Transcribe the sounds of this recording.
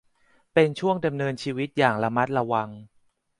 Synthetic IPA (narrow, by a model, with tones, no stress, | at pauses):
pe˧nt͡ɕʰu˥˩əŋda˧mnɤː˧nt͡ɕʰiː˧wi˦˥t̪̚jaː˨˩ŋla˧ma˦˥t̪̚ɾa˧wa˧ŋ